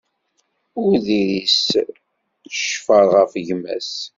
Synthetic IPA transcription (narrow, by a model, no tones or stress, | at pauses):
ʊɾðiɾis | əʃfəɾˤʁəfʝmæ̰s